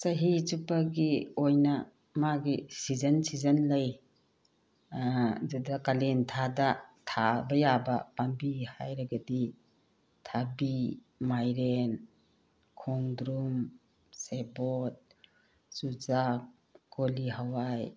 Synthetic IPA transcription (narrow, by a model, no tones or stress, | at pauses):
sɐɦit͡ʃupaɡiojnɐ | maɡisizɐnsizɐnlɐj | zadɐkalentʰadatʰabɐjabɐpambiha̰jɾaɡɐdi | tʰabi | majɾen | kʰoŋdɾum | sebot̚ | sud͡ʒak | koliɦawaj